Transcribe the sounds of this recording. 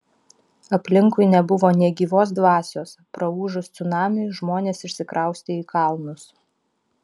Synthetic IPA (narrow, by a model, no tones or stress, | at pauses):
ɐpʲlʲɪŋkʊɪnʲɛbʊʋoːnʲiɛɡʲiːʋoːsd̪ʋɑːsʲoːspɾɐuːʒʊst̪sʲʊnɑːmʲɪɪʒmoːnʲeːsɪʃʲsʲɪkɾʔɑˑʊsʲt̪ʲɪiːkɑlˠnʊs